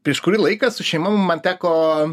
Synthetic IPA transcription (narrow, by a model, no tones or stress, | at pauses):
pʲɾʲiɛʃkʊɾʲilˠɐɪkɐsʊʃʲɛɪmɐmʊmmɐnt̪ʲæːkoː